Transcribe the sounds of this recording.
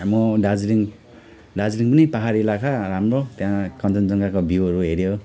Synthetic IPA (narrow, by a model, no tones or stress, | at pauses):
amoɖad͡zɾiŋ | ɖad͡zɾiŋpʌnipaɦaɾielakʰaɾamɾot̪jãkʌntʌnd͡zʌŋɡakobiuɦʌɾuɦeɾjo